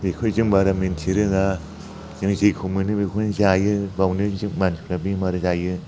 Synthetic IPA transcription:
bikʰojzɯŋbaɾamentʰiɾɯɡa | zɯŋzejkʰumɯnɯbikʰunzajɯbawnɯzɯŋmansʰu̥kɾabimaɾɯzajɯ

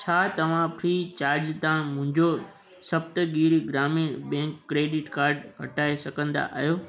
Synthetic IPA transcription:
t͡ɕʰaːt̪ɐʋ̤ãpʰɾiːt͡ɕaːɾd͡ʑt̪ãːmʊ̃ɦɪ̃ɲd͡ʑo | sɐbt̪ɡiːɽiɡɾaːmibɛ̃ːŋkːɾeːɖɪʈkaːɾɖɦɐʈaːesɐɡə̃nd̪a̰ʔa̰ːɦijoː

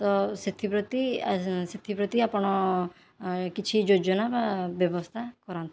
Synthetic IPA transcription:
t̪ɔset̪ʰipɾɔt̪iset̪ʰipɾɔt̪iapɔɽ̃ɔ | kit͡ʃʰid͡ʒod͡ʒɔnababjɔbɔst̪ʰakɔɾant̪ʰ

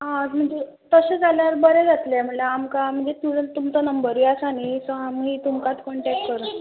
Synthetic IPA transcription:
ɦãm̤əɳd͡ze | t̪əɕẽd͡zʱaljaəɾbəɾed͡zat̪lem̤əɳlaamkam̤əɳd͡zet̪ut̪umt͡sənəmbəɾʋiasañisɔamɦiːt̪umkat̪kɔɳʈɛk̚ʈ̚kəɾə

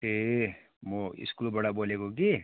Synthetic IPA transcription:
e | moɪ̰skuːlbɐɽaboːleɡoɡi

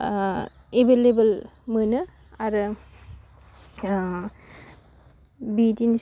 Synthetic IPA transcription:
ebelebəlmɯnɯ | aɾ | bidin

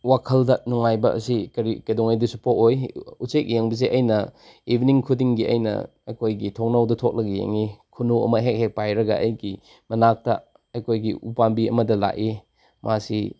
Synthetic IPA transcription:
wakʰɐldɐnɔŋajbɐʔɐ̰sikɐɾikɐjdɔŋajdusu̥pokojusek̚jeŋbizeʔɐjnɐ | ibʱiniŋkʰudiŋɡiɐ̰jnɐ̰ | ɐjkʰojɡitʰoŋ̚nawdɐtʰok̚lɐɡijḛŋikʰunuɐ̰mɐɦek̚hek̚pajɾɐɡɐ̰ʔɐjɡi | mɐnak̚tɐ̰ | ɐjkʰojɡiupambiɐmɐdɐla̰ʔi | mʔasi

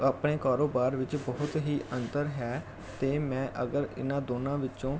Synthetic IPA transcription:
aːpɽeːkaːɾoːbaːɾʋɪt͡ʃbəːʊt̪ɦiːʔənt̪əɾɦɛː | t̪eːmɛ̃ːʔəɡəɾɪ̰nãːd̪oːnãːʋɪõː

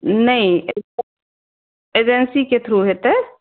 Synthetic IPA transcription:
nɐɦĩe | eːd͡ʒensiket̪ʰɾuɦet̪e

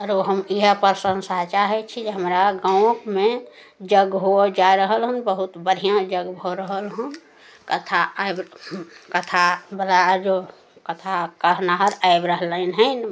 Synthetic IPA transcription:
əɾoɦəmiɦəpəɾsənsəɦt͡ʃaɦɛt͡ʃʰid͡ʒeɦəmɾaɡãʊ̃kmẽ | d͡ʒəɡɦod͡ʒaiɾəɦəlɦunbəɦut̪bəɽʱijãd͡ʒəɡbʱoɾəɦəlɦũn | kət̪ʰaajbkət̪ʰabəlad͡ʒo | kət̪ʰakəɾnaɦəɾaɪbɾəɦləɪnɦəɪn

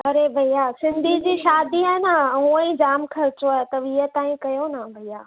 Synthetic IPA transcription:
ɐɾebʱɐijaːsɪ̃nd̪ʱid͡ʑiːʃaːd̪iɦaːnaɦũːə̃ĩd͡ʑaːmkʰɐɾɪt͡ɕoaːet̪ɐʋiət̪ãːĩkɐjonabʱɐijaː

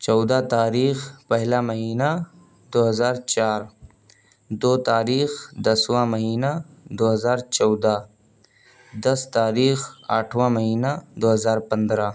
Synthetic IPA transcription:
t͡ʃɔwd̪at̪aːɾiːxpɐɦlamɐɦiːna | d̪oɦɐzaːɾt͡ʃaːɾ | d̪oːt̪aːɾiːxd̪ɐswãmɐɦiːna | d̪oɦɐzaːɾt͡ʃɔwd̪a | d̪ɐst̪aːɾiːxa̰ʈʰwãmɐɦiːnad̪oɦɐzaːɾpɐnd̪ɾa

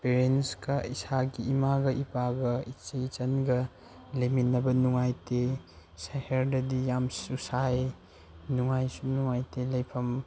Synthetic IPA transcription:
peɾenskɐisaɡiimaɡɐʔipaɡɐit͡ʃɐjt͡ʃɐnɡɐ | leminːɐbɐnuŋajte | saheɾdɐdijamsusaj | nuŋajsunuŋajtelɐjpʰɐm

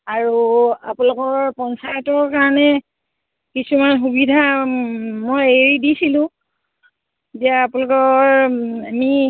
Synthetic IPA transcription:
aɹua̰plɔkɔɹpɔnsajtɔɹkaɹɔnɛ | kisumanxubidʱa | mojeɹidisilʊ̃ | tiaːpʊlɔkɔɹami

